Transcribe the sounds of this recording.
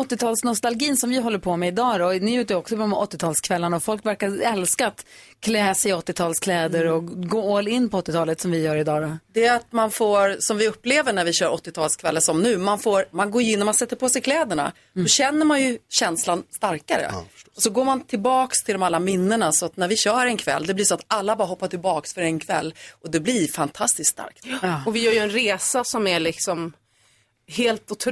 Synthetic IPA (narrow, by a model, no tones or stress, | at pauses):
ɔt̪ːɪt̪ʰɑːlsnɔst̪alɡiːnsɔmvɪɦɔlːəɾpʰɔmɛɪd̪ɑːd̪ɔnɪjʉ̟ːt̪əɔksɔpʰmɔt̪ːɪt̪ʰɑːlskʰvɛlːanaɔfɔlkvæɾkaɾɛlskaːt̪ | kʰlɛːsɛɔt̪ːɪt̪ʰɑːlskʰlɛːd̪əɾɔɡoːoːlɪnːpʰɔɔt̪ːɪt̪ʰɑːlət̪sɔmvɪjœːɾɪd̪ɑːd̪ɔd̪ɛɾat̪manfoːɾsɔmvɪɵpːleːvəɳæɾvɪɕœːɾɔt̪ːɪt̪ʰɑːlskʰvɛlːəsɔmnʉ̟ːmanfoːɾmanɡoːjɪnːɔɾmansɛt̪ːəɾpʰosɛjkʰlɛːd̪əɳa̰ | d̥ɔɕɛnːəɾmanjɵɕɛnslanst̪aɾkaɾə̰ɔsɔɡoːɾmant̪ʰɪlbɑːkst̪ʰɪld̪ɔmalːamɪnːəɳasɔat̪næɾvɪɕœːɾɛnkʰvɛ̰lːd̪ɛblɪʂɔat̪alːabɑːɾaɦɔpːaʈʰɪlbɑːksfœɾɛnkʰvɛ̰lːʔɔd̪ɛblɪɾfant̪ʰast̪ɪskst̪a̰ɾk̚t̪ɔvɪjœːɾjɵɛnɾeːsasɔmælɪksɔm | heːlt̪ʊt̪ʰ